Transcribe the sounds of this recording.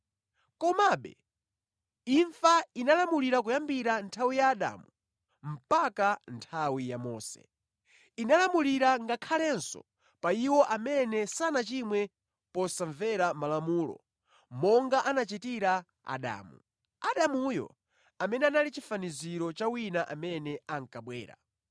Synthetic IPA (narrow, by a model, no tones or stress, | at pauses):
kɔmaɓɛ̰ | iɱfainalamuliɾak̬ujambiɾantʰawijaːɗa̰ːmu | m̩pakantʰawijamɔ̰ːsɛ̰ | inalamuliɾaŋɡakʰalɛnsɔ̰ | paiwɔʔamɛnɛsanat͡ʃimwɛ | pɔsaɱvɛɾamalamuːlɔ̰ | mɔŋɡaʔanat͡ʃitiɾa | a̰ɗa̰ːmṵ | aɗamuːjɔ̰ | amɛnɛanalit͡ʃifaniziɾɔt͡ʃawinaʔamɛnɛaŋkaɓwɛ̰ːɾa̰